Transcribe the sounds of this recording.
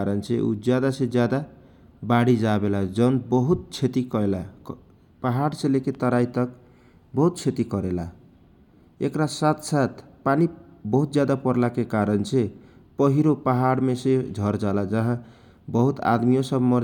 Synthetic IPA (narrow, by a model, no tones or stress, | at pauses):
aɾʌnt͡sʰeʔṵd͡zjad̪ased͡zjad̪a | baɽid͡zabelad͡zʌnbʌɦut̪̚t͡ʃʰet̪ikʌela | paɦaɽseleket̪ʌɾajt̪ʌk̚ | bʌɦut̪̚t͡ʃʰet̪ikʌɾela̰ | ekɾasat̪sat̪ʰpanibʌɦut̪̚d͡zjad̪apʌɾlakekaɾʌnt͡sʰe | pʌɦiɾopaɦaɽmesed͡zʱʌɾd͡zalad͡zʌɦã | bʌɦut̪a̰d̪mijosʌbmʌ